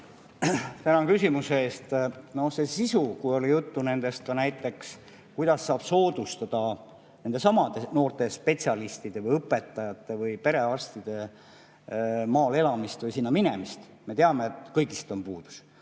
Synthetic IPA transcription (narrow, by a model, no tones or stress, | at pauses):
t̪ænɑŋkysʲimuseeːst̪no̞hse̞sisukujo̞lijut̪ːune̞nd̪̥e̞st̪̚kɑnæjt̪ːˑe̞ks | kujd̪̥ɑsːɑːb̥so̞ːd̪̥ust̪ɑd̪̥ɑ | ne̞nd̪e̞sɑmɑd̪eno̞ːrt̪e̞spe̞tsiɑlist̪id̪̥e̞vɯjɤpːˑe̞t̪ːˑɑjɑt̪ːˑe̞vɤjpe̞ɾe̞ɑrst̪id̪̥e̞ | mɑːle̞lɑmist̪vɯjsinːɑminemist̪ | me̞t̪eɑmeːt̪ːˑkɤjɡist̪o̞mpuːd̪̥u̥s